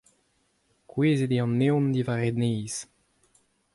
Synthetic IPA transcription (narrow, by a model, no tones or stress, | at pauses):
kweːzed̪iɑ̃nːew̃nd̪ivaʁenejz